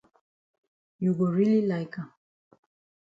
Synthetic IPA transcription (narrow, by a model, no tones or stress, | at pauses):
juɡɔɹililajka